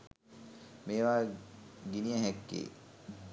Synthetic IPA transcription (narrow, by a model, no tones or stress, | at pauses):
meːʋaːɡinijəɦɛkːḛː